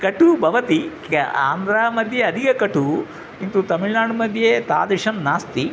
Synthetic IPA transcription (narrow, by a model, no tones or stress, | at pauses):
kɐʈubʱɐʋɐt̪i | a̰ːnd̪ɾaːmɐd̪ʱjeɐd̪ʱikɐkɐʈu | int̪ut̪ɐmiɭnaːɳumɐd̪ʱjeːt̪a̰ːd̪ɐʂɐmnaːst̪i